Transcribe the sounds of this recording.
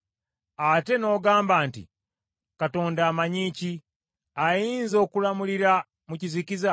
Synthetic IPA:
ate̞no̞ːɡaːmbaːntḭ | kato̞ːndaːmaɲici | ajiːnzo̞ːkulamuliɾa | mucizikiza

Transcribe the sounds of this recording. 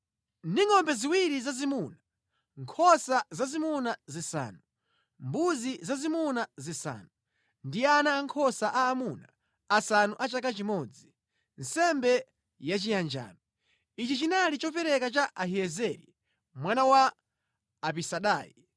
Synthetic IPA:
ndiŋɔmbɛziwiɾizazimuna | ŋkʰɔsazazimunazisa̰ːnu | mbuzizazimunazisa̰ːnu | ndianaːŋkʰɔsaʔaːmuna | asanuʔat͡ʃakat͡ʃimɔd͡zi | n̩sɛmbɛ | jat͡ʃijand͡ʒa̰ːnɔ | it͡ʃit͡ʃinalit͡ʃɔpɛɾɛkat͡ʃaʔaɦiɛzɛɾi | mwanawaː | pisaɗa̰ːjḭ

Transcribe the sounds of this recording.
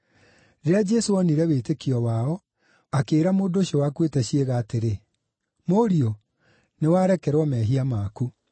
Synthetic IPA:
ɾead͡ʒɛsoɔniɾɛwetekiɔwaɔ | akeːɾamoːdoɕjɔwakwetɛɕeɣaːteɾe | moɾio | newaːɾɛkɛɾwɔmɛːɦiamaːku

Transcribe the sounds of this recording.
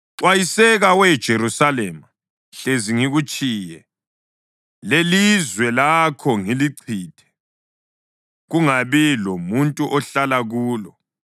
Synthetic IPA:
ǀwajisɛɣawɛd̥ʒ̥ʱeɾusaleːma | ɬeziŋiɣut͡ʃʼiːjɛ | lelizwɛlakʰɔŋiliǀʰiːtʰɛ̥ | ɣuŋaβilɔmuntʼuʔɔɬalaɣuːlɔ

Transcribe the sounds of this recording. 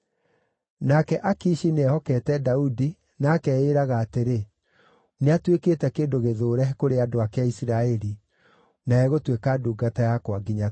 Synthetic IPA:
nakɛʔakiːʃineɛhɔkɛtɛdaudi | naːkɛeɾaɣaːteɾe | neatweketɛkeːndoɣeðoːɾɛkoɾeadoakeaisɾaɛɾi | naɛɣotwekaduːɡatajakwaɡiɲa

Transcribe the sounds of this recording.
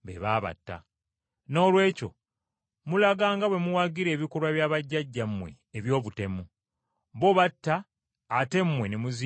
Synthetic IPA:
βḛβaːβa̰tːa̰ | no̞ːlwe̞ːco̞̰ | mulaɡaːŋɡawe̞muwaɡiɾe̞ːβikolwaβjaːβaɟːaɟːamwe̞̰ːβjo̞ːβute̞mu | βo̞βatːaː | te̞mːwe̞nemuzi

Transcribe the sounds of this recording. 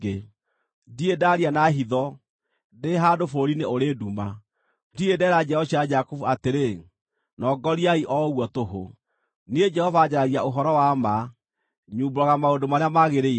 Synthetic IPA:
e | diedaɾianaɦiðɔ | deɦadofoɾineoɾeduma | diedɛɾad͡ʒɛɔɕiad͡ʒakovuateɾe | nɔɡɔɾiaiʔɔɣwɔtoɦo̰ | nied͡ʒɛhɔvad͡ʑaɾaɾiaoɦɔɾɔwama | ɲuːboɾɔɣamaodomaɾeamaɣeɾe

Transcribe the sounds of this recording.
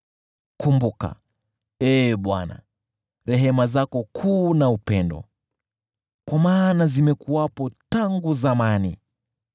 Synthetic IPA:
kumbuka̰ | ɛɓwa̰na̰ | ɾɛɦɛmazakɔkʰuːnaupɛndɔ̰ | kwamaːnazimɛkuwapɔtaŋɡuzamanḭ

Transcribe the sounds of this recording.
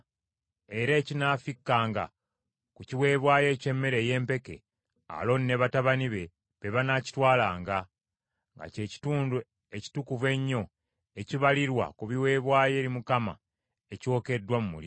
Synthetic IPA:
e̞ɾeːcinaːfikːaːŋɡa̰ | kuciwe̞ːβwaːje̞ce̞mːe̞ɾe̞je̞ːmpe̞ke̞̰ | a̰lo̞nːe̞βataβaniβe̞ | βe̞βanaci̥twaːlaːŋɡa | ŋɡa̰ceuːn | eci̥tukuve̞ɲːo̞ | e̞ciβaliɾwa̰kuβiwe̞ːβwaːje̞ːɾimukama̰ | eco̞ːke̞dːwamumṵli

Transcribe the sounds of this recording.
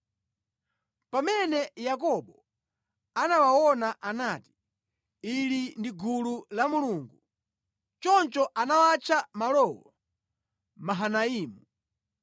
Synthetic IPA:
pamɛnɛjak̬ɔɓɔ | anawawɔnaʔanaːti̥ | ilindiɡululamuluŋɡu | t͡ʃɔnt͡ʃɔʔanawat͡ʃʰamalɔwɔ̰ | maɦanaiːmu

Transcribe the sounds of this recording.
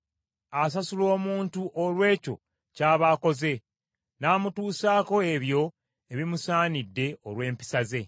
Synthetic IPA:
as̬asulo̞ːmuːntuʔolwe̞ːco̞̰ | caːβaːko̞ze̞ | naːmutuːsaːko̞e̞βjo̞ | eβimusaːnidːe̞olwe̞ːmpi̥saze̞

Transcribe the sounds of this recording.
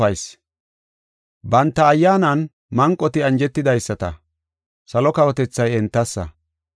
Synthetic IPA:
ɐjs | bɐnt̪ːɐːjːaːnɐn | mɐŋkʼːɔt̪ɪɐnd͡ʒɛt̪ːɪd̪ɐjsːɐt̪ɐ̰ | sɐlɔkɐwɔt̪ɛt͡sːɐjɛnt̪ːɐsːɐ̰

